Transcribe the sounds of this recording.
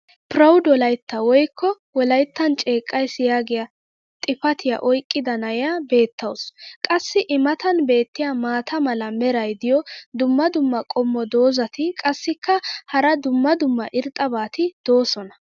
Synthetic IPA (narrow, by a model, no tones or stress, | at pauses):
pɾɐwd̪wɔlɐjt̪ːɐwɔjkːɔ | wɔlɐjt̪ːɐnt͡ʃʼe̞ːkʼːɐjsɪjaːɡɪjɐ | t̪ʼɪpɐt̪ʰɪjɐ̰ʔɔjkʼːɪd̪ɐnɐjabe̞ːt̪ːɐwskʼɐsːɪʔɪmɐt̪ɐnbe̞ːt̪ːɪjamaːt̪ʰɐmɐlɐmɛɾɐjd̪ɪjɔd̪ʊmːɐd̪ʊmːɐkʼɔmːɔd̪o̞ːzɐt̪ɪkʼɐsːɪkʰːɐhɐɾɐd̪ʊmːɐd̪ʊmːɐʔɪɾt̪ʼːɐbaːt̪ɪd̪̥o̞ːsɔnɐ